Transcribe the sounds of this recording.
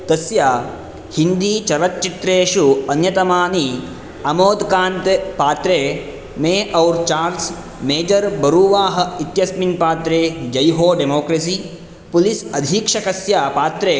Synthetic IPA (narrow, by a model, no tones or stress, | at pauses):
t̪ɐsjaː | hind̪iːt͡ʃɐɾɐt̪t͡ʃit̪ɾeːʃuɐnjɐt̪ɐmaːni | ɐmoːd̪kaːnt̪epaːt̪ɾeː | meːʔɐwɾt͡ʃaːɾls | meːd͡ʒɐɾbɐɾuːʋaːɦɐ̆it̪jɐsminpaːt̪ɾeːd͡ʒɐjɦoːɖemoːkɾɐs̬iː | pulisɐd̪ʱiːkʂɐkɐsjaːpaːt̪ɾeː